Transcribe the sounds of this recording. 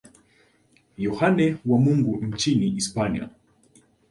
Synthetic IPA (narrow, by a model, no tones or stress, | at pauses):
jɔhanɛwamuŋɡuɲ̩t͡ʃiniispania̰